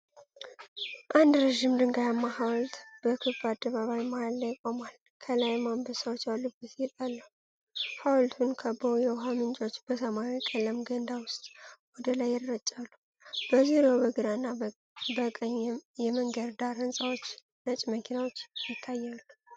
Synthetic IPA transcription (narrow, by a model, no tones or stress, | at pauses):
ʔand̪ɾeʒimd̪ɨŋɡajamːahawlt̪b̥əkʰɨfad̪ːəβaβajimalːajɪkʼomal | kʰəlajmambəsawot͡ʃːjawlːubɨt̪jɪt̪ʼalːə | hawlt̪ʰunkʰəbowjɛwɦamɨnt͡ʃʼo̞t͡ʃːb̥əsəmajikʼələmɡənd̪awʊst̪ʼwɔd̪əlajːɪɾɾət͡ʃʼːalːu | b̥əziɾowbəɡɨd̪anːa | bəkʼəɲːjɛməŋɡəɾd̪aɾɨnsʼawo̞t͡ʃː | nət͡ʃʼməkʰinawo̞t͡ʃːjɪt̪ʰːajːalː